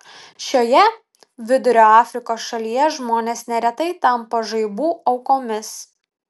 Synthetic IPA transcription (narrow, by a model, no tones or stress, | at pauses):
ʃʲoːjɛ | ʋʲɪd̪ʊɾʲoːɑːfʲɾʲɪkoːsʃɐlʲijɛʒmoːnʲeːsnʲɛɾʲɛt̪ɐɪt̪ɐmpɐʒɐɪbuːɐʊkoːmʲɪs